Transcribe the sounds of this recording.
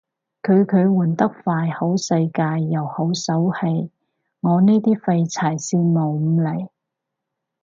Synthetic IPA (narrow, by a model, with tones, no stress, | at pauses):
kʰɵ˨˧ɥkʰɵ˨˧ɥwuː˨˩nt̪ɐ˥k̚faː˧jho˨˥wsɐ˧jkaː˧jːɐ˨˩who˨˥wsɐ˨˥whe˧j | ŋɔː˨˧neː˥t̪iː˥fa˧jt͡sʰaː˨˩jsiː˧nmo˨wm̩˨˧le˨˩j